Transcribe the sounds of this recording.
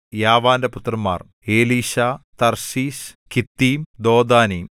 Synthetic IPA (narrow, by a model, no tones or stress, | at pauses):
jaːʋaːndeput̪rɐmːa̰ːr | eːliːɕaːt̪ɐrsiːskit̪ːiːmd̪oːd̪aːniː